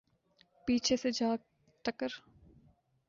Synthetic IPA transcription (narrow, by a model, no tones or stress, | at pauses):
piːt͡ʃʰesed͡ʒaːɡ̚ | ʈəkəɾ